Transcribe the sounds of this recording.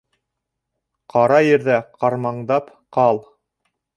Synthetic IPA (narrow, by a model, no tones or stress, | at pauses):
qɑɾɑjɘ̆ɾðæqʰɑɾmɑɴd̪ɑp | qɑlˠ